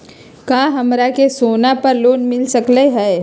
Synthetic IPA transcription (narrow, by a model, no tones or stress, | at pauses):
kaːɦɐmɾakesoːnapəɾloːnmɪlsəkleɦɛː